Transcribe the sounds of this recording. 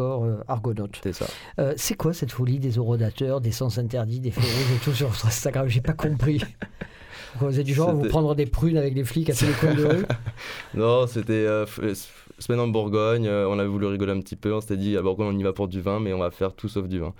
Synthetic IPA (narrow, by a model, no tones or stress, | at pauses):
ɔʁøa̰ʁɡɔnɔt̪sɛsa̰ | øsɛkwasɛt̪fɔlid̪ezɔʁɔd̪at̪œʁd̪esɑ̃sɛ̃t̪ɛʁd̪id̪efleʁizet̪us̬yʁvɔt̪χɛ̃st̪aɡʁamʒepakɔ̃pχi | ɔkɔ̃vzɛd̪yʒɑ̃vupχɑ̃d̪ʁəd̪epχynavɛkleflikaselekɔ̃d̪əʁy | nɔ̃set̪ɛøfs | səmɛnɑ̃buʁɡɔɲøɔ̃navɛvulyʁiɡɔleɛ̃p̚t̪ipøɔ̃set̪ɛd̪iabuʁɡɔɲɔ̃nivapuʁd̪yvɛ̃mɛɔ̃vafɛʁt̪ʰusɔfd̪yvɛ̃